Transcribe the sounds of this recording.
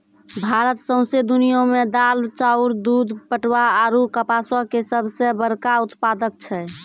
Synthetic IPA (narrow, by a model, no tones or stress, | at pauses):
bʱaɾət̪sə̃ʊ̃sed̪unijõmed̪alt͡ʃauɾd̪ud̪pəʈwaaɾukəpasakesəbʱsebəɾkaut̪pad̪ək̚t͡ʃʰɛ